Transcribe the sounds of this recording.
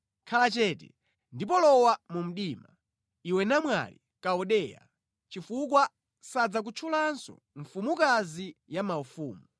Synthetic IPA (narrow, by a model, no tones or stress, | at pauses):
kʰalat͡ʃɛːtɛ̰ | ndip̬ɔlɔwamum̩ɗiːma | iwɛnamwa̰lḭ | kaɔɗɛja̰ | t͡ʃifuk̬wa | sad͡zak̬ut͡ʃʰulansɔ̰ | ɱfumukazijamaufuːmu